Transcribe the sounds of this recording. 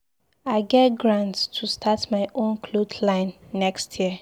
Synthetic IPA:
aɪɡɛtɡɹãntstʰustʰatmaɪʔõnkʰlodlãɪ̃nːɛkstʰjiə

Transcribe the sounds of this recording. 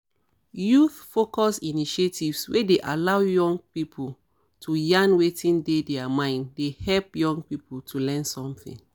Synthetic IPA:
juθfokɔsiniʃetʰivswedeʔalawjɔ̃ŋɡ̚pipʰul | tʰujãnwetĩndedɛamãɪ̃ndehɛlpjɔ̃ŋɡpipʰultʰulɛ̃nsɔ̃mθḭ̃n

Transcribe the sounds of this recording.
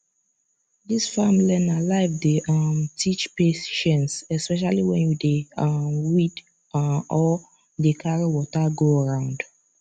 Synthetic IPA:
disfãmlɛ̃nalaɪvdeʌmtʰit͡ʃpeʃɛ̃nsɛspɛʃ̬aliwɛ̃njudeamwit | ɔ | dekʰaɹiwɔtaɡoəɹãʊ̃nd

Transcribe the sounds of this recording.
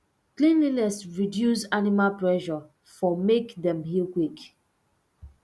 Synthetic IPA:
klĩnlinɛsɹidjusanimalpɹɛʃɔ | fɔmekdɛ̃mhilkwik

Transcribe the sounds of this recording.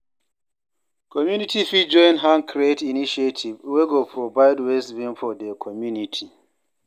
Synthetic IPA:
kʰɔmjunitifid͡ʒɔ̃jnɦãnkʰɾietiniʃetʰivweɡopʰɹɔvaɪdwɛsbĩnfɔdɛkʰɔmjunitʰi

